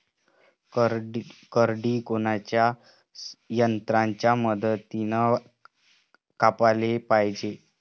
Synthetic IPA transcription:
kəɾɖiːkonat͡ɕja | jənt̪ɾaɲt͡ɕjaməd̪ət̪ːinə | kapalepajd͡ʑe

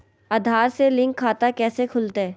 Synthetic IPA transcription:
aːd̪ʱaːɾselɪ̃ŋkʰːaːt̪akɛːsekʰʊlt̪eː

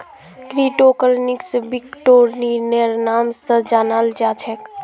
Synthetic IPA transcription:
kɾiʈokəɾniksbikʈoɾnineɾnamst̪əd͡ʒanald͡ʒat͡ʃʰek

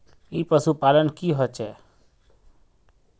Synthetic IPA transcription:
iːpəsupaːlənkiɦɔt͡ʃɛː

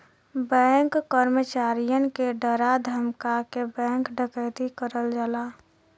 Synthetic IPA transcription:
bɛ̃ŋkːəɾmət͡ʃaːɾijənkeɖəɾad̪ʱəmkakebɛ̃ːŋkɖʱəkəɪd̪ikəɾəld͡ʒala

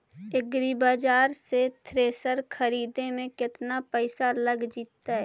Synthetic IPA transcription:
ɪɡɾibaːd͡ʒaːɾset̪ʰɾeːsəɾkʰəɾiːd̪ẽmẽkɪt̪napɛːɪsaləɡd͡ʒiːt̪ːaɦɛː

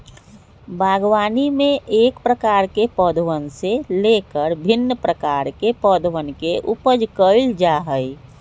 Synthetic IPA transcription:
bʱaːɡwaːnimẽʔeːkpɾəkaːɾkepɔːd̪wənseleːkəɾbʱɪnːəpɾəkaːɾkepɔd̪wənkeʔʊpəd͡ʒkəld͡ʒaɦəi

